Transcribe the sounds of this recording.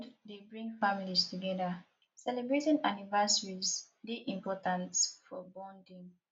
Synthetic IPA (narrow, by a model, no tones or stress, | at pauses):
ddebɹĩŋfamilistuɡɛðə | sɛlɛbɹetĩnanivɛsəɹiz | diʔĩmpɔtãnsfɔbɔ̃ndĩŋ